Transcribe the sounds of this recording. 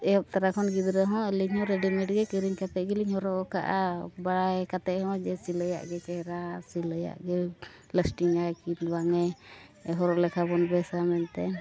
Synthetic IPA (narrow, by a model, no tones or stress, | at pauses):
ɛjɔp̚t̪aɾakʰɔnɡid̪ɾəɦɔ̃əliɲhɔ̃ɾɛɖimɛʈ̚ɡɛkiɾiɲkat̪ɛʔɡiliɲhɔɾɔʔka̰ʔabaɽajkat̪ɛʔhɔ̃d͡ʒɛsiləja̰ʔɡɛkɛɾasiləja̰ʔɡɛ | ləsʈiŋajkinbaŋɛɛɦɔɾɔʔlɛkʰabɔnbɛsamɛnt̪ɛ